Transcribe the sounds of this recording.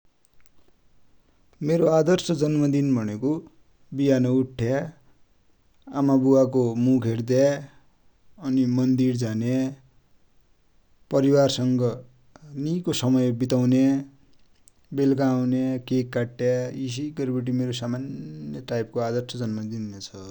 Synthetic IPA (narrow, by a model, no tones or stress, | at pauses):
meɾoad̪ʌrsʰʌd͡zʌnmʌd̪inbʱʌneko | biɦanʌuʈʰːja | amabuwakomukʰeɾd̪ja | ʌnimʌnd̪iɾd͡zane | pʌɾiwarsʌŋɡʌ | nikosʌmʌjbit̪awne | belkaːwnekekːaʈːjais̬iɡʌɾpeʈ̬imeɾosamanjʌʈajp̚koad̪ʌrsʰʌd͡zʌnmʌd̪innet͡sʰʌ